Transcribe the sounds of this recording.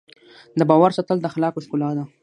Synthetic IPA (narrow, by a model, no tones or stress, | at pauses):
d̪əbɑwaɾsɑt̪əld̪əxalɑkoskulɑd̪a